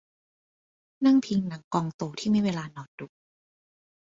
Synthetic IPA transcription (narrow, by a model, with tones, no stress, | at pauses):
na˥˩ŋpʰi˧ŋna˩˦ŋkɔː˧ŋt̪oː˧t̪ʰiː˥˩mi˥˩jweː˧laː˧nɔː˨˩ndu˨˩˦k̚